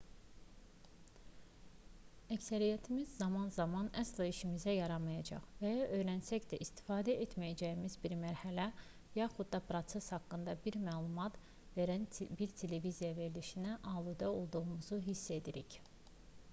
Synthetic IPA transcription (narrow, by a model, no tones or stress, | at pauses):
æcsæɾijæt̪ʰimizːɑmɑnzɑmɑnæslˠɑiʃimizæjɑɾɑmɑjɑd͡ʒɑ̰χvæjɑʔø̞jɾænsæcd̪æʔist̪ʰi̥fɑːd̪æʔet̪mæjæd͡ʒæjimizbiɾmæɾhælæ | jɑχud̪ːɑpɾo̞t̪seshɑkːɯnd̪ɑbiɾmæːlˠumɑt̪ | veɾænbiɾt̪ʰe̞le̞vizijɑve̞ɾliʃinæʔɑːlˠud̪ɑo̞lˠd̪uʁumuzuɦisːe̞d̪iɾic